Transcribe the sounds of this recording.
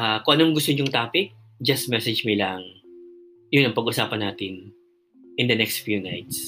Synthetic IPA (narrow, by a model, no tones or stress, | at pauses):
ʔakoʔɐnoŋɡʊst̪oɲʊŋt̪aːpɪk̚ | d͡ʒɐst̪mɛsɛd͡ʒmɪlɐŋ | jʊnɐŋpɐɡʔʊsaːpɐnːaːt̪ɪn | ʔɪnd̪ɐnɛkst̪fjuːnajt̪̚s